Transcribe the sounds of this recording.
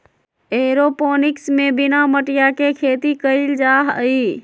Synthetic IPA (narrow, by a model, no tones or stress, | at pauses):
eɾoponɪksmebinaməʈijakekʰet̪ikəɪld͡ʒaɦi